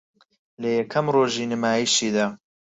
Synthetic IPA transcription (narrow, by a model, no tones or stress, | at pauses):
lɐjɐkʰɐmroːʒiːnɨmaːjiʃiːd̪aː